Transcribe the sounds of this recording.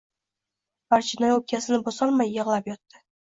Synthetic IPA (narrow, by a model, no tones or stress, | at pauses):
baɾt͡ʃʰɪnɒjop̚kʲʰasɪnɪbosɒlˠmajːɨʁlˠapjɒt̪ːɪ̥